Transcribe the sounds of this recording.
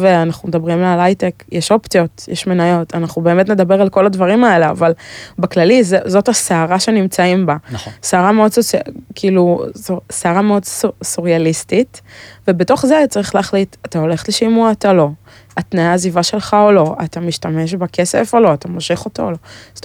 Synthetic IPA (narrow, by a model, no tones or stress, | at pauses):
veanaχnumedabʁimlalajtekjeʃo̞ptijo̞tjeʃmenajo̞tʰanaχnube̞eːmetned̪abeʁalko̞ladvɐʁimae̞lea̰valbeklalizezo̞taseaʁaʃe̞nimt͡saimbansaːʁameo̞dsot͡skʰiiːluseaʁameo̞dsusuʁialistitvebeto̞χzeaat͡saʁiχlaːχlitatao̞le̞χtleʃimuaatalo̞ | atnajaːzivaʃe̞lχaolo̞ʔa̰tamiʃtame̞ʃbake̞sefo̞lo̞atamoʃeχo̞toolo